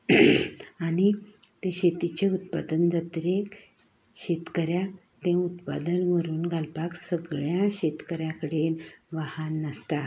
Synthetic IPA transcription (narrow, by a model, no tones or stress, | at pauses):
anit̪ẽɕet̪it͡ɕeut̪pad̪ənd͡zat̪ɾek | ɕet̪kəɾja | t̪ẽut̪pa̰d̪ənʋəɾuːnɡʱalpaksəɡɭjãɕet̪kəɾjakəɽenʋahanːəst̪a